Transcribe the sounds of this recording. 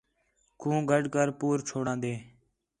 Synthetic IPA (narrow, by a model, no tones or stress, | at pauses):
kʰũːɡʱəɖkəɾpuːɾt͡ʃʰoːɽãːd̪eː